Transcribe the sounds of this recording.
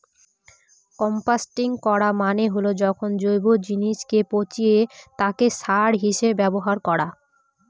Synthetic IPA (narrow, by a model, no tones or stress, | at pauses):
kɔmpasʈiŋkɔɽamaneɦolod͡ʑɔkʰond͡ʑojbod͡ʑiniʃkepot͡ɕiet̪akeʃaɽɦiʃebbɛboɦaɾkɔɽa